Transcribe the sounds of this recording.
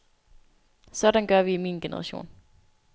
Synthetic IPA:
sɒ̽dænɡ̥ɶɐʋiːmiːnɡ̥enəʁɑ̈ɕo̝̰ːn

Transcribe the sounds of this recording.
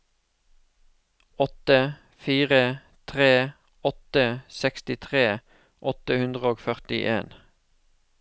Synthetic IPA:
ɔt̪ə | fiːʁə | t̪ʰʁeː | ɔt̪əsɛkst̪ɪt̪ʰʁeː | ʔɔt̪əhʉnd̪ʁəoːɡfœʁt̪ɪ̰ʔḛːn

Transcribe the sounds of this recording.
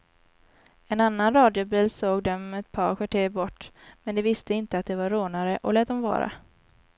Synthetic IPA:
ɛnanːanɾɑːd̪ɪʊbiːlsoːɡd̪ɛmɛt̪̚pʰɑ̰ːɾkʰvaʈʰeːbɔʈːmɛnd̪ɛvɪst̪əɪnt̪əat̪̚d̪ɛvaɾoːnaɾəʔɔlɛːt̪̚d̪ɔmvɑ̰ːɾa̰

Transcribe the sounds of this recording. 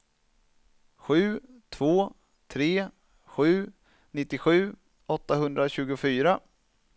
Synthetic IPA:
ɧʉ̟ːt̪ʰv̥oː | t̪ʰɾeː | ɧʉ̟ː | nɪt̪ːɪɧʉ̟ː | ɔt̪ːaɦɵnd̪ɾaɕʉ̟ːɡʊfyːɾa

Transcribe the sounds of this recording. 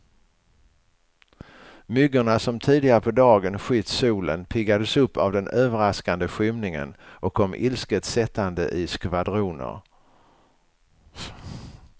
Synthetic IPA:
mʏɡəɳasɔmt̪ʰiːd̪ɪɡaɾəpʰɔd̪ɑːɡənɧʏt̪ːsuːlənpʰɪɡːad̪əsɵpːa̰vd̪ɛnøːvəɾaskand̪əɧʏmnɪŋə̰nʔɔkʰːɔmːʔɪlskət̪sɛt̪ːand̪ə̰ʔɪskvad̪ɾuːnə̰ɾ

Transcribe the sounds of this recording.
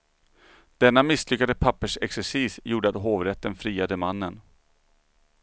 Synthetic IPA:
d̪̥ɛnːamɪslʏkːad̪əpʰapːəʂɛksɛʂiːsjuːɖəat̪ɦoːvɾɛt̪ːənfɾiːad̪əmanːən

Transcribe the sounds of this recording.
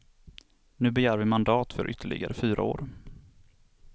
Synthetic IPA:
nʉ̟ːbɛjæːɾvɪmand̪ɑːt̪fœɾʔʏt̪ːəɭɪ̰ɡa̰ɾəfyːɾʔa̰o̰ːɾ

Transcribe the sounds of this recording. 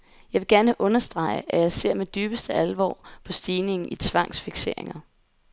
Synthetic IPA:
jɑ̈ɪʋe̝ɡ̥æɐnəʔɔ̽nɐsd̥ʁɑ̈ɪ̰əʔæjɑ̈ɪse̝ɐ̰med̥yːb̥əsd̥əælʋɒ̰ːpʰɒ̽sd̥iːne̝ŋn̩it͡sʰʋɑ̈ŋ̰sfiɡ̥se̝ɐ̰eŋɐ

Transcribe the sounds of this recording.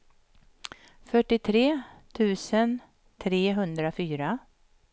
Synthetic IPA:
fœʈːɪt̪ʰɾeːt̪ʰʉ̟ːsən | t̪ʰɾeːɦɵnd̪ɾafyːɾa

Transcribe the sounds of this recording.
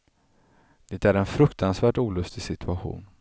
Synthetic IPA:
d̪̥et̪æɾɛnfɾɵkt̪ʰansvæːʈuːlɵst̪ɪsɪt̪ʰɵaɧṵːn

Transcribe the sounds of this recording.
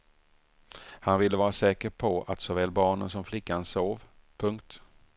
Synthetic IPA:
hanvɪlːəvɑːɾasɛːkəɾpʰɔat̪sɔːvɛːlbɑːɳə̰nsɔmflɪkːansoːv | pʰɵŋkt̪

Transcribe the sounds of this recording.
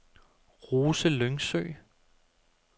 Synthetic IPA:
ʁuːsəløŋsø̰ː

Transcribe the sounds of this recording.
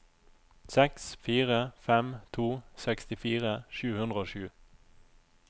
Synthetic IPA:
sɛksfiːʁəfɛmt̪ʰuːsɛkst̪ɪfiːʁəʃʉːhʉnʁəoːʃʉː

